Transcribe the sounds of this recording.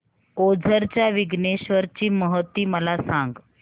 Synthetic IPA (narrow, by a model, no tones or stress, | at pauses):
od͡zʱəɾt͡ɕjaʋiɡneɕʋəɾt͡ɕiːməɦət̪ːiːməlasaŋɡ